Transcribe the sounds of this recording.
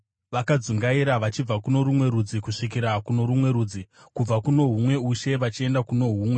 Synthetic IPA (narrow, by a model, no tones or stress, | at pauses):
ʋakad͡zuŋɡaiɾaʋat͡ʃib͡vakuno̞ɾumwe̞ɾud͡zikuʂikiɾakuno̞ɾumwe̞ɾuːd͡zi | kub͡vakuno̞ɦumwe̞uʃe̞ʋat͡ʃie̞ndakuno̞ɦuːmwe̞